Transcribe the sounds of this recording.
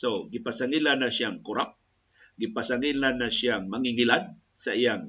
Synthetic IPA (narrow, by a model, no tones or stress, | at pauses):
soɡɪpasaŋilanaʃjaŋkʊɾap̚ | ɡipasaŋilanaʃjaŋmaŋiŋilad̪̚ | saijaŋ